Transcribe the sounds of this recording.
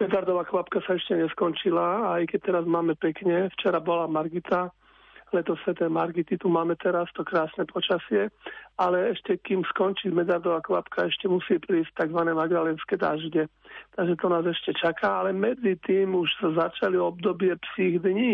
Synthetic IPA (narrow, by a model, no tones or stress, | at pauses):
mɛd̪aɾd̪ɔʋaːkʋapkasaɛʃcɛɲɛskɔnt͡ʃilaajkɛt̪ɛɾazmaːmɛpɛkɲɛft͡ʃɛɾabɔlamaɾɡit̪a | lɛt̪ɔsʋɛt̪ɛmaɾɡit̪it̪umaːmɛt̪ɛɾast̪ɔkɾaːsnɛpɔt͡ʃasɪɛalɛɛʃcɛkiːmskɔnt͡ʃimɛd̪aɾd̪ɔʋaːkʋa̰pkaɛʃcɛmusiːpɾiːs̚t̪aɡzʋanɛmaɡd̪alɛnskɛd̪a̰ʒɟɛt̪aɡʒɛt̪ɔnaːzɛʃcɛt͡ʃakaːalɛmɛd͡zit̪iːmuʒsazat͡ʃaliɔbd̪ɔbɪɛpsiːɣd̪ɲiː